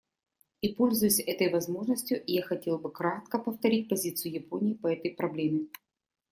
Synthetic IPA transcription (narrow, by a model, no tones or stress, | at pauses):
ipo̞lʲzʊjʊsʲɛt̪əjvɐzmo̞ʐnəsʲtʲjʊʔɪjaxɐtʲe̞lˠbɨkɾat̪kəpəft̪ɐɾʲit̚ʲpɐzʲit̪sɨjʊjɪponʲɪːpɐɛt̪əjpɾɐblʲemʲɪ